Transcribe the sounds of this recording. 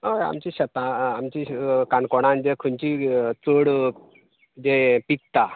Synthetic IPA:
oja̰mt͡ɕiɕət̪ãːmt͡ɕikankoɽ̃ãnd͡ʑekʰənt͡ɕit͡səɽ | d͡ʑepik̚t̪a

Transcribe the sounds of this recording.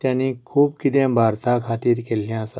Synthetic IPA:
t̪jãnĩkʰuːb̚kid̪ẽbʱaːɾt̪akʰaːt̪iːɾkelijãsa

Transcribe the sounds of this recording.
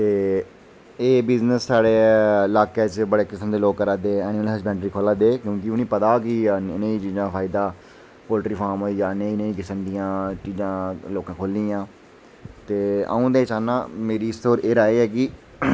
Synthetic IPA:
t̪eː | eːbɪznəsːaːɽeːlaːkeːt͡ʃbəɽeːkɪsəmd̪eːloːkːəɾaːd̪eːɛːnɪːməlɦəsbɛ̃ːɳʈɾiːkʰoːlãːd̪eːkjõːkɪʊnĩːpət̪aːkiɪnẽːiːt͡ʃiːzãːpʰaːɪd̪aː | poːlʈɾiːpʰaːɾmɦoːiːd͡ʒaːnẽːɪnẽːiːkɪsəmd̪ɪjãːt͡ʃiːzãːloːkãːkʰoːld̪iːãː | t̪eːə̰ũːd̪eːt͡ʃaːnaːmeːɾiːst̪oːɾeːɾaːeːɦɛːk̬ɪ

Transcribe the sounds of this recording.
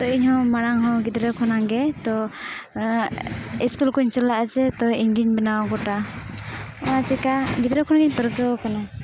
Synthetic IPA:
t̪ɔiɲhɔ̃maɽ̃aŋɦɔ̃ɡid̪ɾɛkʰɔnaɡɛt̪ɔ | iskulkɔiɲt͡ʃəlaʔət͡ʃɛt̪ɔiɲɡiɲbɛnawɡɔʈa | ɔnat͡ʃɛkaɡid̪ɾɛkʰɔnaɡiɲpəɾkəɔkana

